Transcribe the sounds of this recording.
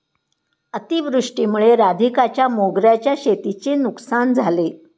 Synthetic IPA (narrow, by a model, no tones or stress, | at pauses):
ət̪iʋɾuʂʈimuɭeɾad̪ʱikat͡ɕjamoɡɾjat͡ɕjaɕet̪it͡senuksand͡zʱale